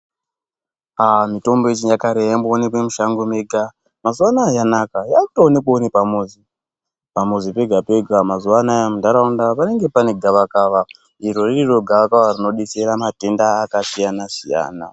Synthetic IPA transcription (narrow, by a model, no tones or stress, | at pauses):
amito̞mboet͡ʃijakaɾejamboːnepemuʃaŋɡomeɡʱa | mazuwanaːjanakajaku̥toːnekoːnepamozi | pamozipe̞ɡʱape̞ɡʱamazuwanajamundaɾaundapane̞ŋɡe̞pane̞ɡʱaʋakaːʋa | iɾoriiro̞ɡʱaʋakaʋarino̞ɗiseɾamate̞ndaːkasijanasija̰ːna̰